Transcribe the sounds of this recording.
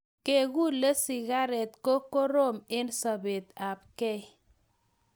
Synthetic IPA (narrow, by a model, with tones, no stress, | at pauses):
ke˦ɣu˦le˦sɪ˨ɣa˦ɾɛ˨t̪ko˦ko˦ɾo˦˨mɪ˦nsa˨be˨t̪a˨b̚kɛ˦